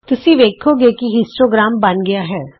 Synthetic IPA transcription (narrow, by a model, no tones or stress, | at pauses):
t̪ʊsĩʋeːkʰoɡeːkiɦɪsʈoːɡɾaːmbɐnɡɪjaɦɛː